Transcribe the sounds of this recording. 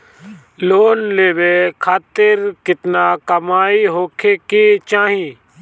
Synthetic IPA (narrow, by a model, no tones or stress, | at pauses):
loːnleːʋeːkʰaːt̪ɪɾkɪt̪naːkɐmaːiɦoːkʰeːkeːt͡ʃaːɦĩː